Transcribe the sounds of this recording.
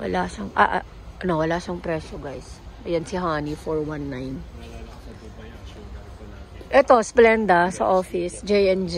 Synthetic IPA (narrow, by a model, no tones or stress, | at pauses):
wɐ̰laːʃɐŋʔa̰ʔ | ʔɐnowɐlaːʃɐŋpɾɛʃoɡajsʔɐjɐnsɪɦaːnifoɹwanːajn | ʔɛt̪o̞splɛnd̪ɐsɐʔoːfɪsd͡ʒɛjʔɛnd͡ʒ